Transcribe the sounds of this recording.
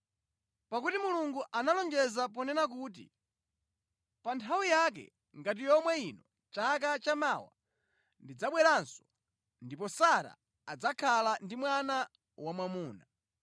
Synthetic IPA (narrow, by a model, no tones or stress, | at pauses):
pakutimuluŋɡuʔanalɔnd͡ʒɛzapɔnɛnak̬uːt̬ḭ | pantʰawijak̬ɛ̰ | ŋɡat̬ijɔmwɛinɔ | t͡ʃakat͡ʃamawa̰ | ndid͡zaɓwɛɾansɔ̥ | ndipɔsaɾa̰ː | d͡zakʰalandimwana | wamwamuːna